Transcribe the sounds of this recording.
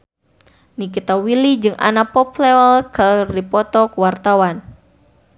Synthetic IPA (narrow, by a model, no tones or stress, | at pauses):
nikit̪awilid͡ʒɨŋa̰napɔpleɔlkardipɔt̪ɔkuwart̪awan